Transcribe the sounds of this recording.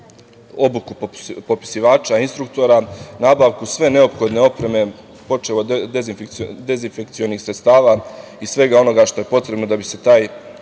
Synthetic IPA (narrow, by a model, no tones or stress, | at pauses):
o̞bukupo̞pi̥siʋaːt͡ʃainst̪ɾuk̚t̪o̞ɾanaːbaʋkusʋe̞ne̞o̞pxo̞d̪ne̞o̞pɾe̞me̞ | po̞t͡ʃelod̪enfd̪e̞zinfekt̪sio̞nixsɾe̞t̪st̪aːʋa | isʋe̞ɡao̞no̞ɡaʃt̪o̞je̞po̞t̪ɾe̞bno̞d̪abise̞t̪aːj